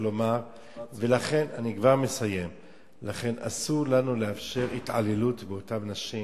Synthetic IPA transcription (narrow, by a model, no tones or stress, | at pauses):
lo̞maʁ | ve̞laχe̞nanikvaʁme̞saje̞m | laχe̞na̰suʁlanule̞afʃe̞ʁitʕa̰lelutbeo̞tamnaʃi